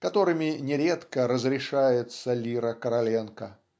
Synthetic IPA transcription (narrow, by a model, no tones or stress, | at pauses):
kɐt̪o̞ɾɨmʲɪnʲɪɾʲet̪kəɾəzɾʲɪʂajɪt̪səlʲiɾəkəɾɐlʲenkə